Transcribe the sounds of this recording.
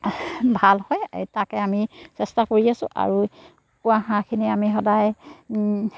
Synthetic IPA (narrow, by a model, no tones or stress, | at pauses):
bʱalhɔj̰takɛamisɛstakoɹiasʊ̰̃ʔa̰ɹu | kʊwaɦãkʰiniamixɔdaj